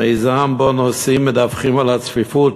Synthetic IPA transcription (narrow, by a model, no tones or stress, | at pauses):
ezaːnbɔnɔsimɪdafχɪməlˠat͡sfɪfut